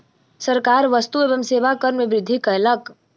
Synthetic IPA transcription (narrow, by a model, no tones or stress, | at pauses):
səɾkaɾʋəst̪uebəmseʋakəɾnmeʋɾɪd̪ʱːikəelək